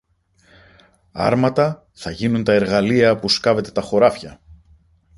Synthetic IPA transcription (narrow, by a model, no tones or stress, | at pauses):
ɐ̰ɾmɐt̪ɐ | θɐʝinunt̪ɐe̞ɾɣɐliɐpuskɐve̞t̪e̞t̪ɐxo̞ɾɐfçɐ